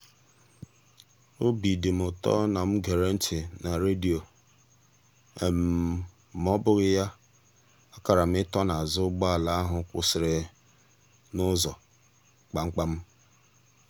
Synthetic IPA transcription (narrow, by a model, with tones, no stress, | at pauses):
o˦bi˨dɪ˨m̩˨ʊ˨tɔ̰˦na˨m̩˦ɡe˨ɾe˦n̩˦t͡ʃɪ˨na˨ɾe˦di˨o˨ | e˨m̩˨ | m˦ɔ˦bʊ˦ɣɪ˦ja˦ | ɔ˦ka˨ɾa˨m̩˦ɪ˦tɔ˦na˨a˨zʊ˦ɡ͡ba˦a˨la˦a˦ɦʊ˨kʷʊ̰˨sɪ˨ɾɪ˨ | nʊ˦zɔ˨ | k͡pa˨ŋ͡m̩˦k͡pa˦m̩˦